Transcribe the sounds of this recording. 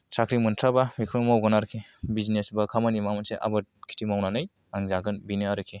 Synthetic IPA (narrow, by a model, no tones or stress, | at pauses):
sakʰɾimɯntʰabamikʰɯɾmawɡɯnaɾkʰebizinesbakʰamanimamɯnseʔa̰bɯt̚kʰi̥tʰimawnanɯj | aŋzaɡɯnbinɯaɾɯkʰe